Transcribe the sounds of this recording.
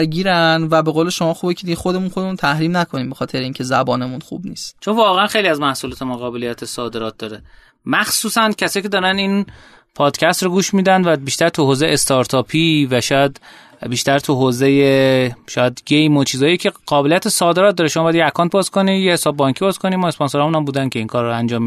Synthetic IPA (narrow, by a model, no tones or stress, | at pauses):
ɾɡiːɾænvæbe̞ɣoːleʃo̞mɒːxubecʲʰed̪iɡexo̞d̪e̞munxod̪emunt̪ʰæhɾiːmnækʰoniːmbe̞xɒːt̪ʰe̞ɾeiːŋcʰe̞zæbɒːne̞munxṵbniːst̪t͡ʃʰonvɒːɣeænxejliæzmæhsulɔːt̪ʰemonɣɒːbelijæt̪ʰesɒːd̪e̞ɾɒːt̪̚d̪ɒːɾe | mæxsuːsæncʰæsɒːjkʰʲce̞d̪ɒːɾænin | pʰɒːd̪̥cʰæst̪ɾoɡuːʃmiːd̪ænd̪væbiːʃt̪æɾt̪ʰuhoːzejeest̪ʰɒɾt̪ʰɒːpʰivæʃɒːjæd̪ | biːʃt̪æɾt̪ʰuɦoːzejeʃɒːjæd̪ɟejmot͡ʃʰiːzɒːjicʰe̞ɢɒːbe̞lijæt̪esɒːd̪e̞ɾɒt̪d̪ɒːɾeʃomɒbɒjæd̪jeækʰɒːnt̪̚bɒːzkʰonijehesɒːbbɒŋkʰibɒːzkʰonimɒːesponsoɾːmunæmbuːd̪ænkʰʲe̞iːŋkʰɒːɾːænd͡ʒɒːmi